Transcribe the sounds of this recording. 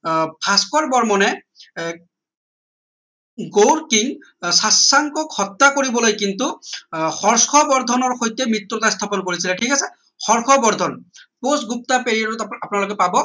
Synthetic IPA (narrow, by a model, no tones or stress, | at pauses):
pʰaskɔɹbɔɹmɔnɛ | ɡowɹkiŋ | sasːaŋkɔkhɔt̪ːakoɹibɔlojkintuxɔɹskʰɔbɔɹd̪ʱɔnɔɹxojtɛmɹit̪ɹɔtast̪ʰapɔnkoɹisilɛʈʰikasɛ | xɔɹxʰɔbɔɹd̪ʱɔnposɡup̚tapeɹiadɔtapʊnalok̬ɛpabɔ